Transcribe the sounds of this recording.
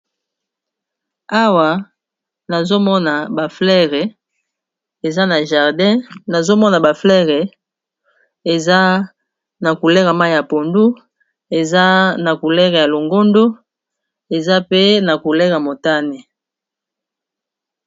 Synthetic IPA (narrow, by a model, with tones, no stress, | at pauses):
a˦wa˨ | na˨zo˦mɔ˦na˨ba˨flɛ˦ʁɛ˨ | e˨za˦na˨ʒa˨ʁdɛ̃˦na˨zo˦mɔ˦na˨ba˨flɛ˦ʁɛ˨ | e˨za˦ | na˨ku˨lɛ˦ʁa˨ma˦˨ja˨po˨ndu˦ | e˨za˦na˨ku˨lɛ˦ʁɛ˨ja˨lo˨ŋɡo˦ndo˦ | e˨za˦pe˦na˨ku˨lɛ˦ʁa˨mo˨ta˦ne˨